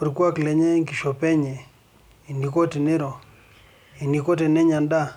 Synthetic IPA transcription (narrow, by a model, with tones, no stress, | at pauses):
pi˨ɾkwa˦klɛ˨ɲe˦ŋki˨ʃo˨pɛ˦ɲe˨ | i˨ni˨ko˦ti˨nɪ˦ɾo˨ | i˨ni˨ko˦te˨nɛ˦ɲa˨nda˦